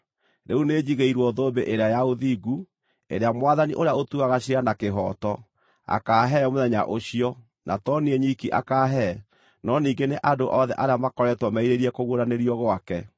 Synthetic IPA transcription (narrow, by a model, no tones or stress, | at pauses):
ɾeuned͡ʑiɣeiɾwɔðoːbeʔeɾeajaoðiːɡu | ḛɾeamwaðaniʔoɾeaotuaɣaɕianakeɦɔːtɔ | a̰kaːɦɛmoðɛɲa̰ʔoɕiɔ | nʔatɔniɛɲikiʔa̰kaːɦɛ | nɔniːŋɡeneʔadoʔɔðɛʔaɾeamakɔɾɛtwɔmaiɾeɾiɛkoɣoɾaneɾiɔɣwakɛ